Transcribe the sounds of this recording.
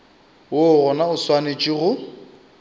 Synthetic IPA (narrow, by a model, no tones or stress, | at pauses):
woɣɔnaʊswanet͡ʃʼiɣʊ